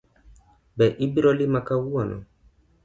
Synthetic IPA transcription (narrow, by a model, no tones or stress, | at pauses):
bɛʔibiɾɔlimakawuanʔɔ̰